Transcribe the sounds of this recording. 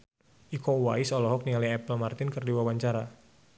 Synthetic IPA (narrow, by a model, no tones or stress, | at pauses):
ʔikɔuwa̰isɔlɔɦɔk̚niŋaliɛpəlmart̪ɪnkɨrdiwawaɲt͡ʃaɾa